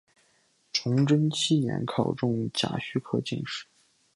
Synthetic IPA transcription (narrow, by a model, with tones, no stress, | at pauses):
ʈ͡ʂʰʊ˧˥ŋʈ͡ʂə˥nt͡ɕʰi˥njɛ̰˧˥nkʰɑ˨˩ʊʈ͡ʂʊ˥˩ŋt͡ɕja̰˨˥˩ɕy˥kʰɤ˥˩t͡ɕḭ˥˧ŋʂɻ̩˥˩